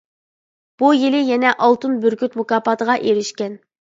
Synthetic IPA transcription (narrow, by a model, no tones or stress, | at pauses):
b̥ujilɪjɛnɛʔɑlˠt̪ɨnbyɾkʲyt̪mukɑːpɑːt̪ʰəʁɑʔeɾiʃkʲɛn